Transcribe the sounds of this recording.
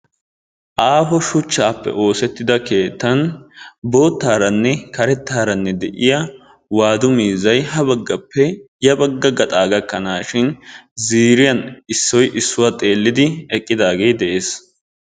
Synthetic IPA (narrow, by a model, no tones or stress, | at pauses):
ʔaːfɔʃʊt͡ʃːaːpːɛ̰ʔo̞ːsɛt̪ːɪd̪ɐke̞ːt̪ːɐnbo̞ːt̪ːaːɾɐnːɛkɐɾɛt̪ːaːɾɐnːɛd̪ɛʔɪjɐ | waːd̪ʊmiːzɐjɦɐbɐɡːɐpːɛjɐbɐɡːɐɡɐt̪ʼaːɡɐkːɐnaːʃɪnziːɾɪjɐnɪsːɔjʔɪsːʊwat̪ʼe̞ːlːɪd̪ɪɛkʼːɪd̪aːɡe̞ːd̪ɛʔe̞ːs